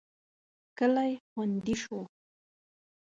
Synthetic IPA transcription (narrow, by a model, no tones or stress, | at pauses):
kəlajxʊnd̪ɪʃo